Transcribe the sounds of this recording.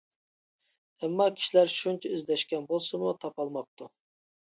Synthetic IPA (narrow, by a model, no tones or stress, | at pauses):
ɛmːɑkʲʰi̥ʃilæɾʃunt͡ʃʰɛøzlɛʃkʲɛnbolˠsumut̪ʰɑpɑlˠmɑp̚t̪ʰu